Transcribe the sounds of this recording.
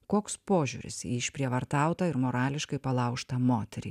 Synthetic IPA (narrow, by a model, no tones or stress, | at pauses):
koːkspoːʒʲṵːɾʲɪ̰sjḭːɪʃʲpʲɾʲiɛʋɐɾt̪ɑˑʊt̪ɐɪɾmoːɾɑːlʲɪʃkɐɪpɐlˠɐʊʃt̪ɐmoːt̪ʲɛɾʲḭ